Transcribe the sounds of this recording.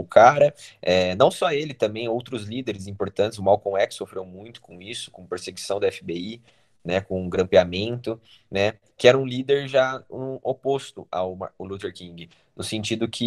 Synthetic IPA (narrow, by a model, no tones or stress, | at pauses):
ʊkʰaɾɐɛnɐ̃w̃sɔelɪt̪ɐ̃mbẽj̃owt̪ɾʊzlid̪eɾɪzĩpoɾt̪ɐ̃nt͡ʃ̪ɪzʊmawkõɛksofɾewmũj̃t̪ʊ̥kõisʊ̥kõpeɾseɡisɐ̃w̃d̪ɐɛfɪbei | nɛkõɡɾɐ̃mpiamẽnt̪ʊ | nɛ | kɪɛɾɐũlid̪eɾʒaũopost̪ʊa̰ʊʊlut̪eɾkĩŋɡɪ | nʊsẽnt͡ʃid̪ʊkʰɪ